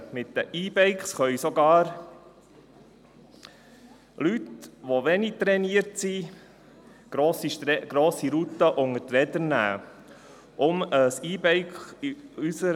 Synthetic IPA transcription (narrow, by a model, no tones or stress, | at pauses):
mɪt̪̚d̪əʔiːbɛɪkχsχœʏsɔɡɑːɾ | lyt̪ʋoʋɛnik̚t̪ɾɛniəɾtsi | ɡ̥ɾoːsiɡ̥ɾoːsiɾut̪ːəʔʊŋət̪ɾɛd̪əɾnæ̰ː | ʔʊməsiːbɛɪkχysə